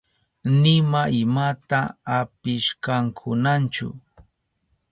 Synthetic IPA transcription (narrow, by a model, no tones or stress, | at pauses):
nɪmaɪmat̪aːpɪʃkaŋkʰʊnant͡ʃʊ̰